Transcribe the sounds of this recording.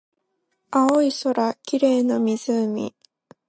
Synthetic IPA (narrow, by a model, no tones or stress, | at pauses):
aoiso̞ɾakʲiɾe̞ːnomʲiz̥ɨmʲḭ